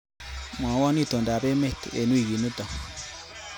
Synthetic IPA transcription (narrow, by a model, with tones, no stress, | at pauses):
mwa˨˦wɔ˦ni˦˨t̪o˨nda˨be˦me˦˨tḛ˨nu˦i˦˨ɣi˨nu˦ta˨